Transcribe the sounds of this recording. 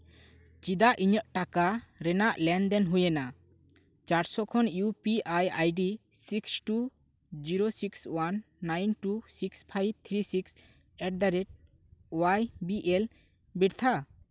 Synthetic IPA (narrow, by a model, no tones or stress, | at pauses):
t͡ʃid̪aʔʔiɲəʔʈakaɾɛnaʔlɛnd̪ɛnɦujɛna | t͡ʃaɾsɔkʰɔnjupiajajɖisiksʈu | d͡ʒiɾosikswanː | ajnʈusikspʰajb̚t̪ʰɾisiks | ɛʈ̚d̪aɾɛʈ̚ | wajbiʔɛl | biɖt̪ʰa